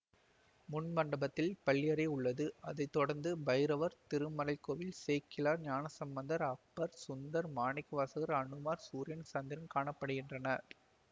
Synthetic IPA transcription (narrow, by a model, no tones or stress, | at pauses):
mʊɳmɐɳɖɐbɐt̪ːɪlpɐɭːɪjɐɾɐɪʊɭːɐðɯɐðɐɪt̪ːɔɽɐɾnd̪ɯbɐjɾɐʋɐɾt̪ɪɾɯmːɐlɐɪkːoːʋɪlseːkːɪlaːɾɲaːnɐsɐmbɐnd̪ɐɾɐk̚pːɐɾsʊnd̪ɐɾmaːɳɪkːɐʋaːsɐɣɐɾɐɳɯmaːɾsuːɾɪjɐnsaːnd̪ɪɾɐnkaːɳɐpːɐɽɯɣɪndrɐnɐ